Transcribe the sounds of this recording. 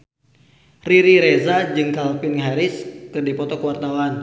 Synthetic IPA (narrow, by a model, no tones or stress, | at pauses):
riɾiɾɛzad͡ʒɨŋkalpɪnɦaɾɪskɨrdipɔt̪ɔkəwart̪awan